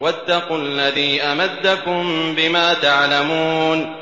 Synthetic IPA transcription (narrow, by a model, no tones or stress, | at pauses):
wat̪ːɑqualːaðiːʔamad̪ːakʊmbɪmaːt̪aʕlamuːn